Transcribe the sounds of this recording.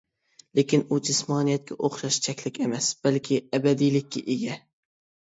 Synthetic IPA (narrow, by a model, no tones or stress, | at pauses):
lekʲʰɪnud͡ʒɪsmɑːnijɛt̪̚kʲɛʔoχʃɑʃt͡ʃʰɛkʲlɪkʲemɛsb̥ælkʲʰɪæbæd̪ijlɪkʲːɛ̰ʔeɡʲɛ